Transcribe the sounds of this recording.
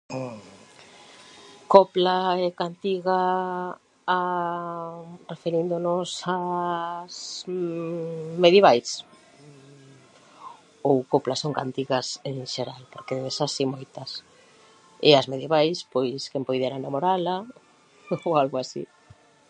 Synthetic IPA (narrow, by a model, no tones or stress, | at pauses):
koplaɛkant̪iɣa | a | refeɾind̪onʊsa | s | meðjeβajs | owkoplasoŋka̰nt̪iɣɐseŋʃeɾalpoɾkeeβesasimojt̪ɐs | ɪazmeðjeβajspojskɛmpojðɛɾaŋnamoɾala | owalɣoasḭ